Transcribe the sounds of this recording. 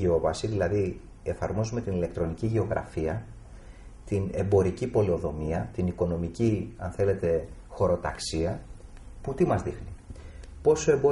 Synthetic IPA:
eo̞vɐsiðilɐði | e̞fɐɾmo̞zume̞t̪inile̞k̚t̪ɾo̞niciʝe̞o̞ɣɾʔɐ̰fiɐ | t̪ine̞mbo̞ɾicipo̞lio̞ðo̞miɐt̪iniko̞no̞miciɐ̰nθe̞le̞t̪e̞xo̞ɾo̞t̪ɐksiɐ | put̪imɐzðixnipo̞so̞e̞mbo̞

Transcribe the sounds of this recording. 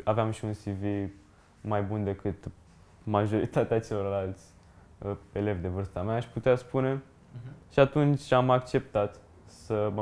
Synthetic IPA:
aveamʃiunsivi | majbund̪e̞kɨt̪ | maʒo̞ɾit̪at̪eat͡ʃe̞lo̞rlalt̪sʲ | e̞le̞vd̪e̞vɨrst̪ameaːʃput̪easpune̞ | ʃiat̪unt͡ʃʲamakt͡ʃe̞p̚t̪at̪ | səmə

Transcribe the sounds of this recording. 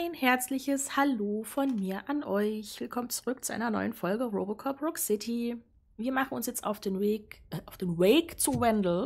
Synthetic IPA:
ʔaɪnhɛɐt͡slɪçəshaloːfɔnmiːɐʔanʔɔʏçv̥ɪlkʰɔmənt͡su̥ʁʏk̚t͡suʔa̰ɪnɐnɔ̰ʏənfɔlɡəʁoːbɔt̚kʰɔpʁɔksɪtʰi | viːɐmaχn̩ʊnsjɛt͡sta̰ʊfd̥eːnveːkʔaʊfd̥eːnweːkt͡suvɛndl̩

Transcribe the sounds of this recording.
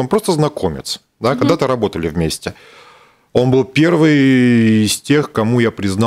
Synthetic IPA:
onpɾo̞st̪əznɐko̞mʲɪ̰t̪s | d̪akɐɡ̚d̪at̪ɨɾɐbo̞t̪əlʲɪvmʲesʲtʲɪ | o̞nbɨlˠpʲe̞rvɨjɪsʲtʲe̞xkɐmujapɾʲɪznɑ

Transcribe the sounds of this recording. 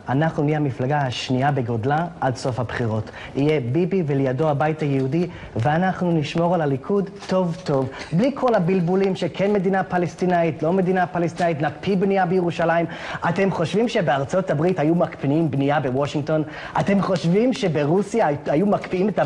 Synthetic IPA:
anaχnuliamiflaɡaaʃniabeɡo̞dlaʔadso̞fabχiʁo̞t | ije̞bibivelejado̞habajtajehudi | veanaχnuniʃmo̞ʁalalikʰudto̞vto̞vblikʰo̞labilbulimʃekʰe̞nme̞dinapalestinaitlo̞me̞d̪inapalest̪inaitnakpʰibniabejeʁuʃalaim | ʔate̞mχo̞ʃvimʃe̞beaʁt͡so̞tabʁithajumakpinimbniabewoʃiŋɡto̞n | ʔate̞mχo̞ʃvimʃe̞beʁusijaajumakpiimeta

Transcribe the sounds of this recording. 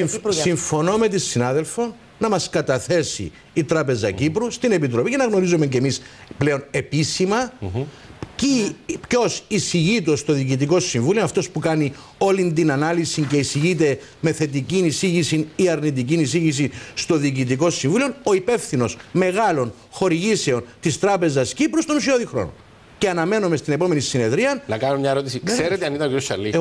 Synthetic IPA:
siɱfo̞no̞me̞t̪isinɐðe̞lfo̞n | nɐmɐskɐt̪ɐθe̞sḭː | t̪ɾɐpe̞zɐ̰cipɾust̪ine̞pit̪ɾo̞picenɐɣno̞ɾizome̞ce̞misple̞o̞ne̞pisimɐ | cipco̞sisiʝit̪ost̪o̞ðiːcit̪iko̞siɱvulionɐft̪o̞spukɐni | o̞lind̪inɐnɐlisiɲce̞isiʝit̪̬e̞ | me̞θe̞t̪̬icinisiʝisiniɐɾnit̪icinisiʝis̬ist̪o̞ðiːcit̪̬iko̞siɱvuliono̞ipe̞fθino̞sme̞ɣɐlo̞n | xo̞ɾiʝise̞o̞nt̪ist̪ɾɐpe̞zɐscipɾo̞st̪o̞nus̬io̞ðixɾo̞̰no | ce̞ɐnɐme̞nome̞st̪ine̞po̞me̞nisine̞ðɾiɐnnɐkɐnomɲɐeɾo̞t̪isikseɾet̪eɐnit̪ɐnociɾjosɐlːi

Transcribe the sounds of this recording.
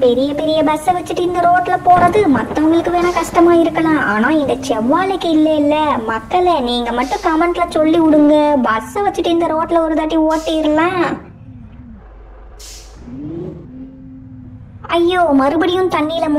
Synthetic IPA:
pɛɾɪjɐpɛɾɪjɐbɐsɐʋɐt͡ʃːɯʈːɯɪnd̪ɐɾoːʈːɪlɐpoːɾɐðɯmɐt̪ːɐ̃ɐmɡɐlɯkːɯʋeːnãːkɐʂʈɐmaːɪɾɯkːɐlãːʔaːnãːɪnd̪ɐt͡ʃɛʋːaːlɐɪkːɯɪlːɐɪlːɐmɐkːɐɭɐniːŋɡɐmɐʈːʊ̃kɐmɐɳʈlɐsɔlːiʊɽɯŋɡɐbɐsɐʋɐt͡ʃːɯʈːɯɪnd̪ɐɾoːʈːɪlɐɔɾɯðaːʈːioːʈːɪɪɾɯlãː | ɐjːoːmɐɾɯbɐɽɪjʊ̃t̪ɐɳːilɐm

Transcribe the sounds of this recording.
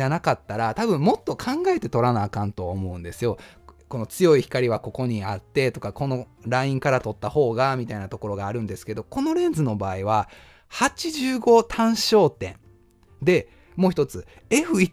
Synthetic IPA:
anakat̪ːaɾat̪abɯ̟̃mmo̞t̪ːo̞kʰãŋɡae̞t̪e̞t̪o̞ɾanaːkãɯ̃nt̪o̞βaomo̞ɯ̟̃nd̪e̞sɨjo̞ | ko̞no̞t͡sɨjo̞içi̥kaɾʲiβako̞ko̞ɲ̟iat̪ːe̞t̪o̞kako̞no̞ | ɾaĩŋkaɾat̪o̞t̪ːaho̞ːɡamʲit̪ainat̪o̞ko̞ɾo̞ɡaːɾɯ̟̃nd̪e̞sɨ̥ke̞d̪o̞ko̞no̞ɾẽ̞nd͡zɨno̞baːiβ̞a | hat͡ɕiʑɨːɡo̞t̪ʰãɰ̃ɕo̞ːt̪ẽ̞̰n | d̪e̞ | mo̞ːçi̥t̪o̞t͡sɨ | e̞ɸɯ̟i

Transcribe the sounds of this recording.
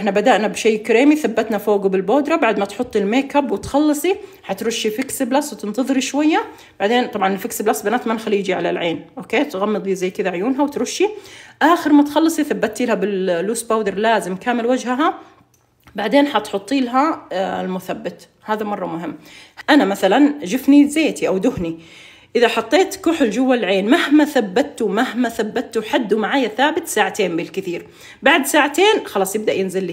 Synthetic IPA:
ʔɪħnabad̪aʔnabʃeːkaɾeːmiθabːat̪nafoːɡubɪlboːd̪ɾˤɑbaʕd̪mat̪ħʊt̪ˤːilmeːkabwɪt̪xɑlːɑsˤi | ħɑt̪ɾʊʃːifɪksɪblasːwt̪ɪnt̪ɑðˤɨɾiʃwajːa | b̥aʕd̪eːnt̪ˤɑbʕɑnɪlfɪksɪblasːbɪnaːt̪manxaliːd͡ʒiʕala̰lʕeːnʔoːkeːt̪ɣamːɨd̪ˤizajːkɪd̪aʕʊjuːnɦawɪt̪ɾʊʃːiʔaːxɪɾmat̪xɑlːɨsˤiθabːat̪ːilhabɪllːuːsbaːwd̪ɪɾˤlaːzɪmkaːmɪlwad͡ʒhaɦa | baʕd̪eːnħɑt̪ħʊt̪ˤːiːlaɦaɪlmʊθabːat̪ | haːðamɑrˤːɑmʊɦɪmːʔanamaθaland͡ʒɪfnizeːt̪iʔawd̪ʊhni | ʔɪðaħɑt̪ˤːeːt̪kʊħld͡ʒʊwːallʕeːnmahmaθabːat̪ːumahmaθabːat̪ːuħad̪ːumaʕaːjaθaːbɪt̪saːʕat̪eːmbɪlkɪθiːɾ | baʕd̪saːʕat̪eːnxɑlɑːsˤjɪb̚d̪aʔjɪnzɪlːiː

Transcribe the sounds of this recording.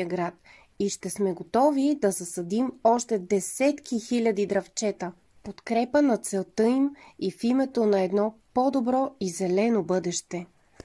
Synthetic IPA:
əɡɾat̪̚ | iʃt̪ɛsmɛɡot̪ɔvid̪ɐzɐsɐd̪imɔʃt̪ɛd̪ɛsɛt̪kixilʲəd̪id̪ɾɐft͡ʃɛt̪ə | pot̪kɾɛpənɐt̪sɛlˠt̪əimifimɛt̪onɐɛd̪nɔpod̪obɾɔizɛlɛnobɤd̪ɛʃt̪ɛ

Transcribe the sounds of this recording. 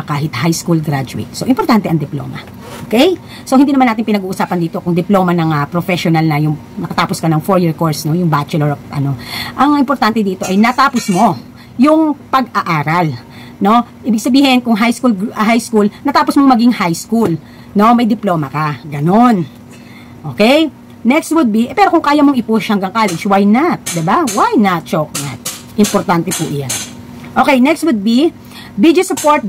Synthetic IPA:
kaːɦɪt̪̚hajskulɡɾad͡ʒʊɪ̰t̪̚soʔɪmpɔɾt̪ant̪ɛʔɐŋd̪ɪplo̰ːmɐ̰ | ʔokɛj | so̞hɪnd̪iːnɐmanːat̪ɪŋpɪnɐɡuːʔʊsaːpɐnd̪iːt̪o̞kʊŋd̪ɪplomɐnɐŋɐpɾofɛʃonɐlnɐjʊŋ | nɐkɐt̪aːposkɐnɐŋfoɹjiɹkoɹsno̞jʊŋbat͡ʃɛloɹʔɐ̰no̞ʔɐŋʔɪmpoɾt̪ant̪ɛd̪iːt̪o̞ʔɐjnɐt̪aːposmo̞ | jʊŋpɐɡɐʔaːɾɐl | no̞ʔiːbɪɡ̚sɐbiːɦɪnkʊŋɦajskulɡɦajskulnɐt̪aːposmomɐɡiŋhajskul | no̞mɐjd̪ɪploːmɐkɐɡɐno̞n | ʔo̞ːkɛj | nɛkst̪wʊd̪̚bipɛːɾo̞kʊŋkaːjɐmoŋɪpuʃhɐŋɡɐŋkaːlɛd͡ʒwajnɐt̪̚d̪ɛbawajnɐt̪̚t͡ʃokna̰t̪̚ | ʔɪmpoɾt̪ant̪ɛpʊʔjan | ʔo̞ːkɛjnɛkst̪wʊd̪̚bi | bid̪osʊpoɹt̪̚

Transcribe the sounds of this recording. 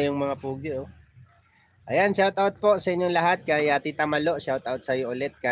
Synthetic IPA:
jʊŋmɐŋapuːɡɪʔo | ʔɐjanʃawt̪ʔawt̪̚po̞sɐʔɪɲjoŋlɐɦat̪̚kɐjat̪it̪ɐmɐlo̞ʔʃawt̪ʔawt̪̚sɐjoʔʊlɛt̪̚ka

